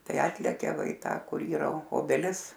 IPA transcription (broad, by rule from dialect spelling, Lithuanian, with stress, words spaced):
ˈtɐɪ ˈɑːtʲlʲɛkʲɛ ˈʋɐ ɪ ˈtɑː ˈkʊr ˈiːrɐ oː oːbʲɛˈlʲɪs